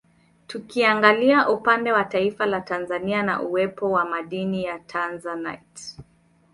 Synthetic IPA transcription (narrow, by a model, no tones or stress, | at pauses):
tukiaŋɡaliaʔupandɛwataifalatanzaniana̰ʔuwɛpɔwamaɗinijatʰanzana̰jt